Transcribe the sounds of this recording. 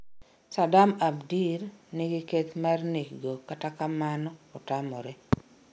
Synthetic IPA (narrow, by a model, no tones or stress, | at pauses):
sadamabdirnɪɡɪket̪marniɡokatakamanɔɔtamɔɾɛ